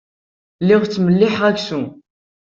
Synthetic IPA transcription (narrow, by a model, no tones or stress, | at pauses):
lːɪʁt͡sːməlːɪħʁæçsu